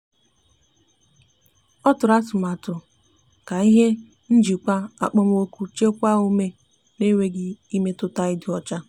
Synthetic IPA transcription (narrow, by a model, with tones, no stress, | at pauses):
ɔ˦tʊ˨ɾa˦tʊ˨m˨a˨tʊ˨ | ka˨i˦ɦe˦ | n̩˦d͡ʒi˨kʷa˦a̰˨k͡pɔ˦m˦o˦ku˦t͡ʃe˦kʷa˦o˦me˦ | ne˦wʷe˦ɡɪ˦i˦me˦tʊ˦ta˦i˦dɪ˨ɔ˨t͡ʃa˦